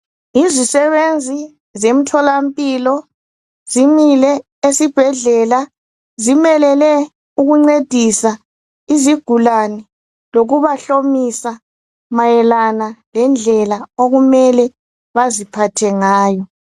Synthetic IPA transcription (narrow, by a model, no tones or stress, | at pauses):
izisɛβend͡zʱi | zem̩tʰɔlam̩pʼilɔ | zimilɛ | esib̥ʱɛɮɛla | zimɛlɛlɛ | uɣuŋ͡ǀed̥ʱisa | iziɡ̥ʱulanɛ | loɣuβaɬomisa | majɛlanalɛnd͡ɮʱɛlaoɣumɛlɛ | βazipʰatʰɛŋaːjɔ